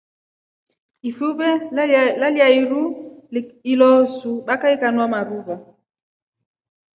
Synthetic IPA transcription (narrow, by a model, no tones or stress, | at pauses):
ifuβɛlaliaiɾu | ilɔsuɓakaikanwamaɾuva